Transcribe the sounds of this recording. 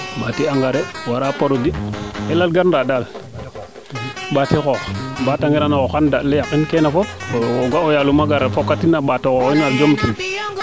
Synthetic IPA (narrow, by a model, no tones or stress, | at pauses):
batiaŋɡaɾewaɾapoɾodielalɡaɾnɾadal | batikobataŋɡiɾanakoxandalːejakinkenafop̚oɡʷaojalumaɡaɾefokːatinaɓatokɔinald͡ʒomtin